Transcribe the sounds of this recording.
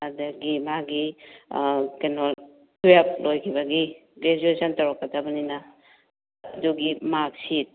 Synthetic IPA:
adaɡimaɡi | kenɔl | tʰuap̚lojkʰibɐɡiɡɾed͡ʒuesʰɐntɐwɾakːɐdabɐnina | ɐduɡimak̚sit̚

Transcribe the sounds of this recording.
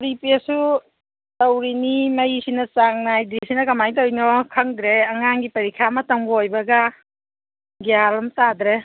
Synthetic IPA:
pɾipisu | tɐwɾinimɐjsinɐt͡ʃaŋnajdɾisinɐkɐmajtowjnɔkʰɐŋdɾeɐŋaŋɡipɐɾikʰamɐtɐŋbojbɐɡa | ɡialɐmtad̪ɾe

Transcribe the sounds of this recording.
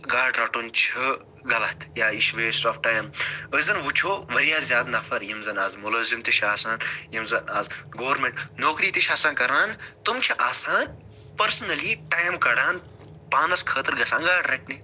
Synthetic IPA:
ɡaːɖɾɐʈunt͡ʃʰi | ɡɐlɐt̪ʰjaːiʃʋeːsoːfʈaːjməzɐnʋut͡ʃʰoːʋɐɾijaːzʲjaːd̪nɐfɐɾjimzɐnaːzmulɐːzimt̪iʃʰaːsaːnjimzɐnaːzɡoːɾmẽɳʈnoːkɾiːt̪iʃaːsaːnkɐɾaːnt̪umt͡ʃʰiʔaːsaːn | pɐɾsnɐliʈaːjmkɐɽaːn | paːnɐskʰəːt̪ɨɾɡɐsãːnɡaːɖɾɐʈni

